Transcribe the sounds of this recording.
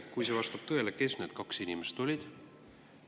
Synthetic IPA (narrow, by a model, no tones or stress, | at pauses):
kujsevɑst̪ɑb̥̚t̪ɤ̞eleke̞sneːd̪̥kɑksinimest̪o̞lʲid̪̥